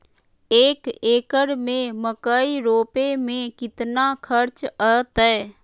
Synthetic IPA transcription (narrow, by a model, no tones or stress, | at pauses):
eːkeːkəɽmẽməkaːiɾoːpemẽkɪt̪nakʰəɾt͡ʃət̪ɛː